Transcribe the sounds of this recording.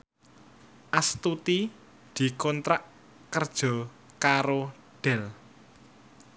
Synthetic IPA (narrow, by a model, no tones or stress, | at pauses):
ʔast̪ut̪i | d̪̥i̤kɔnt̪ɾaʔ | kərd̥ʒ̥ɔ̤ | kaɾo | ɖ̪̥ɛl